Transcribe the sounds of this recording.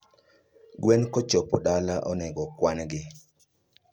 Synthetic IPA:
ɡwɛnkɔt͡ʃɔpɔdalaʔɔnɛɡɔkwanɡɪ

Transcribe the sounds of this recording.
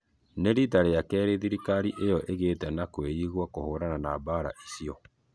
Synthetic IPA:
neɾitaɾejakɛːɾeðiɾikaɾiʔejɔʔeɣeːtɛnakweiɣwakohoːɾananaːbaːɾa̰ʔisiɔ

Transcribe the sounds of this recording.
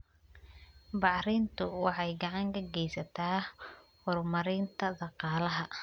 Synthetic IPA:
bɑʕrɪːnt̪ʰʊwɑħɑjɡɑʕɑŋkʰɐɡɛjsɐt̪ʰaːhɔrmɐɾɪːnt̪ʰɐd̪ɑqɑːlɐɦɐ

